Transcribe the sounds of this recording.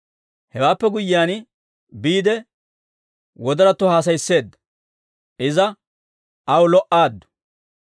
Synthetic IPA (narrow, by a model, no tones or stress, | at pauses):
hɛwaːpːɛɡʊjːɪjaːn | biːd̪ɛ | wɔd̪ɐɾɐt̪ːʊhaːs̬ɐjsːe̞ːd̪ːɐ̥ | ʔɪzɐ | ɐwlɔʔaːd̪ːʊ̥